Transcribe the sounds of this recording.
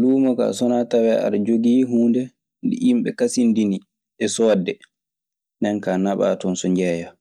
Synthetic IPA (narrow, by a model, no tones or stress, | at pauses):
luːmɔka̰sɔnatawɛa̰ɾd͡ʒoɡiːɦuːndɛ | ndḭʔimɓɛ̰kasindini | ɛsɔːdːɛ | ndɛnkanaɓa̰ːtɔnsɔɲd͡ʒɛːja